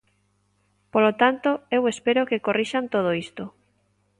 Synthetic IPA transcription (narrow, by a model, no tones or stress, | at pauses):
polot̪ant̪oewespeɾokekorʔiʃant̪oð̞oist̪o